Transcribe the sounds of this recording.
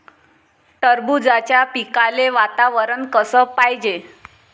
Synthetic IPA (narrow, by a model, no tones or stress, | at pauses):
ʈəɾbud͡zat͡ɕjapikaleʋat̪aʋəɾənkəsəːpajd͡ʑe